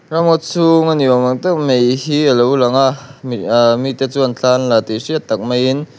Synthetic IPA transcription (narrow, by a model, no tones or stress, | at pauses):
ramɔt̚t͡sʰuŋaniamaŋt̪ak̚mejhiʔəlowlaŋaʔ | mit̪et͡suənt͡ɬʰanlat̪isiət̪ːɐk̚majin